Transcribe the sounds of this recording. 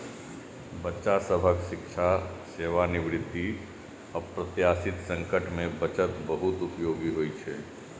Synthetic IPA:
bətːʃasəbʱəkʃɪkʃʰaseːʋanɪʋɾɪd̪ʱːi | ɔːɾpɾət̪jaːsɪt̪sə̃ŋkəʈmẽbət͡ʃət̪bəɦʊt̪ʊpjoːɡiɦoːit͡ʃʰɛː

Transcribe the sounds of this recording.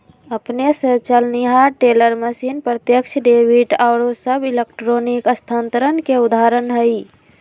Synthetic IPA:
əpnesə̃t͡ʃəlniɦaʈeləɾməsinpɾət̪jəkt͡ʃʰɖebʱiʈaʊɾosəbʱilekʈɾonikəst̪ʰant̪əɾənkeud̪aɾənɦəj

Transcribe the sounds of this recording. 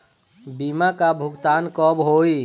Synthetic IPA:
bimakabʱʊɡt̪aːnkɔbɦoːi

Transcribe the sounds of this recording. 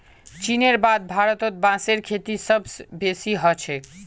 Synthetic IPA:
t͡ʃineɾbad̪̚bʱaɾət̪ot̪̚bãseɾkʰet̪isəbsbesiɦɔt͡ʃʰɛ

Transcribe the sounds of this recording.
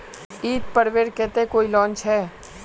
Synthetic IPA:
iːt̪̚pəɾʋeːɾkɛːt̪ekoːilɔ̃ːnt͡ʃɦɛː

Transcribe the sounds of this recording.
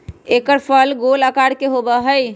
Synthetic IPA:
ekəɾpʰəlɡoləkaɽkeɦobəɦəj

